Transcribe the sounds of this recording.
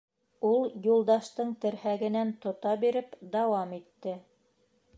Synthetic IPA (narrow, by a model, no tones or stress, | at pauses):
ulˠjulˠd̪ɑʃt̪ɤɴt̪ɘ̆ɾhæɡɘ̆nænt̪ŏt̪ɑbiɾɘpd̪ɑwɑmit̪ːɘ